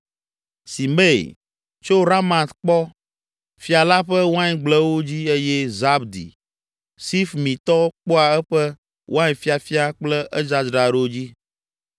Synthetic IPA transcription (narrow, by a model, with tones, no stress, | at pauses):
si˨me˦˨j̰ | t͡ʃo˦ɾa˦mã˨t̪k͡pɔ˦ | fi˨a˨la˦ɸɛ˦wo˦ã˦ɲ˨ɡ͡blɛ˦wo˦d͡ʑi˦e˦jɛ˦za˦bd̪ḭ˨ | si˦fmĩ˨t̪ɔ˦k͡po˦a˨ɛ˦ɸɛ˦ | wʔo˦a˦ɲɛ˨fi˦a˨fi˦a˦k͡plɛ˦ʔɛ˦d͡ʒa˦d͡ʒɾa˨ɖo˦d͡ʑi˦